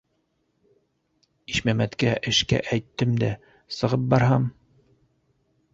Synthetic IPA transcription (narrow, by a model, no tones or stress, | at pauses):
iʃmæmæt̪kæʔɘ̆ʃkæ̰ʔæjt̪ːɘmd̪æ | sɤ̆ʁɤp̚bɑɾɦɑm